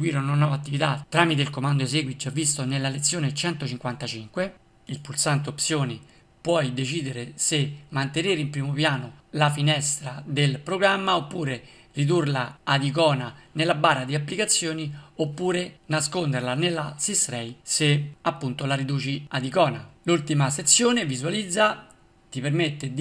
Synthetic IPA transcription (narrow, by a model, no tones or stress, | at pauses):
ɡwiːɾononːɔːvat̪ːivit̪at̪ːɾaːmit̪̬eilkomand̪oeseɡwid͡ʒavːist̪onelːalet̪sːjoːnet͡ʃɛnt̪ot͡ʃiŋkwant̪at͡ʃiŋkwe | ilpulsant̪eopsjoːni | pwɔjd̪et͡ʃiːd̪eɾesemːant̪eneːɾeimpɾiːmopjaːnolafinɛst̪ɾad̪elpɾoɡɾamːaopːuːɾe | rid̪urlaːd̪ikɔːnanelːabaːrad̪iapːlikat̪sːjoːniopːuːɾenaskond̪eɾlanelːasisɾɛjseapːunt̪olaɾid̪uːt͡ʃiad̪ikɔːnalult̪imaset̪sːjoːnevizualid̪zːa | t̪ipermet̪ːed̪